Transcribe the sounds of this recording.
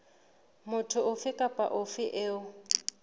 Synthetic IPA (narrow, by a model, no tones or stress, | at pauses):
mʊtʰʊʊfɪkʼapʼa̰ʔʊfɪʔeːʊ